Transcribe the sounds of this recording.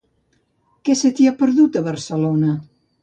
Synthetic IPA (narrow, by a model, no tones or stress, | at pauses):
kɛsət̪iapəɾðut̪əβəɾsəlonə